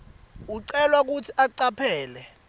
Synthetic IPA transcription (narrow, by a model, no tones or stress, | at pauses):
uǀɛlwak̬utʰiʔaǀapʰɛːlɛ